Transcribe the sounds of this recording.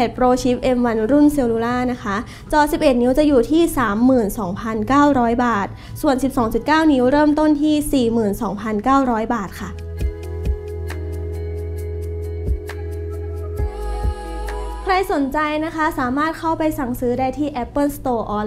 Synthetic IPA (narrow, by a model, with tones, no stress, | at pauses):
ɛ˨˩t̪̚pɾoː˧t͡ɕʰi˦˥p̚ʔe˧mwa˧nɾu˥˩nse˧wluː˧laː˥˩na˦˥kʰa˦˥ | t͡ɕɔː˧si˨˩p̚ʔe˨˩t̪̚ni˦˥wt͡ɕa˨˩juː˨˩t̪ʰiː˥˩saː˩˦mːɯː˨˩nsɔː˩˦ŋpʰa˧nkaː˥˩wɾɔː˦˥jbaː˨˩t̪̚ | su˨˩ənsi˨˩p̚sɔː˩˦ŋsi˨˩p̚kaː˥˩wni˦˥wɾɤː˥˩mt̪o˥˩nt̪ʰiː˥˩siː˨˩mɯː˨˩nsɔː˩˦ŋpʰa˧nkaː˥˩wɾɔː˦˥jbaː˨˩t̪̚kʰa˥˩ | kʰɾa˧jso˩˦nt͡ɕa˧jna˦˥kʰa˦˥saː˩˦maː˥˩t̪̚kʰa˥˩wpa˧jsa˨˩ŋsɯː˦˥daː˥˩jt̪ʰiː˥˩ʔɛ˦˥pːɤː˥˩st̪oː˧ʔɔː˧